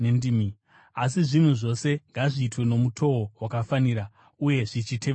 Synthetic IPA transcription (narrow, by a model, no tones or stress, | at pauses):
nendimi | asiʐin̤uʐo̞se̞ŋɡaʐiːtwe̞no̞mutʰo̞owakafaniɾa | uje̞ʐit͡ʃitʰe̞ʋ